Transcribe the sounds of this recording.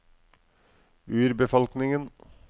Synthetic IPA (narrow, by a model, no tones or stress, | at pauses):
ʉːɾbəfɔlknɪŋən